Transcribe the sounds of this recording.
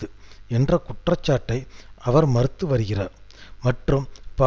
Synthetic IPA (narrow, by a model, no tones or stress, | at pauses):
ɯɛndrɐkʊʈrɐt͡ʃːaːʈːɐɪʔɐʋɐɾmɐɾɯt̪ːɯʋɐɾɯɣɪraːɾmɐʈrɯmpa